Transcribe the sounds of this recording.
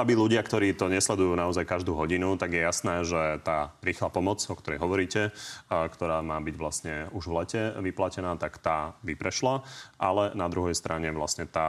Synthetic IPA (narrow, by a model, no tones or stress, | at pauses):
abiluɟɪakt̪ɔɾiːt̪ɔɲɛslɛd̪ujuːnaɔzajkaʒd̪uːɦɔɟinut̪aɡjɛjasnɛːʒɛt̪aːɾiːxlaːpɔmɔt͡sɔkt̪ɔɾɛjɦɔʋɔɾiːcɛkt̪ɔɾaːmaːbiɟʋlasɲɛuʒʋlɛcɛʋiplacɛnaːt̪akt̪aːʋipɾɛʃlaʔalɛnad̪ɾuɦɛjst̪ɾʔaɲɛʋlastɲɛt̪aː